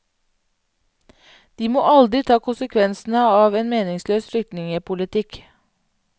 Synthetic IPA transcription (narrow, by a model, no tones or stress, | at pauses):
d̪̥iːmoːʔɑld̪ɾɪt̪ʰɑːkʰʊnsəkʰʋɛnsn̩əɑːʋeːnmeːnɪŋsløːsflʏk̚t̪nɪŋəpʰʊlɪt̪ʰɪk